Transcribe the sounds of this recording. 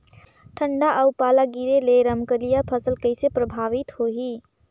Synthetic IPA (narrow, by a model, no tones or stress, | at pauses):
ʈʰəɳɖaʔəʊpalaɡiɾeleɾəmkəlijapʰəsəlkəɪsepɾəbʱaʋit̪ɦoɦi